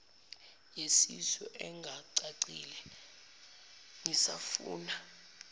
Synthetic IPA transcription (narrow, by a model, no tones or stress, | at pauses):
jesisɔʔɛŋɡʱaǀaǀilɛ | ŋisafuːna